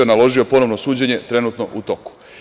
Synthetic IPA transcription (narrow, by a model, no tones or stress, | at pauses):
onalˠo̞ʒio̞po̞no̞ʋnosuːd͡ʑe̞ɲe̞t̪ɾe̞nut̪no̞̰ʔut̪o̞ku̥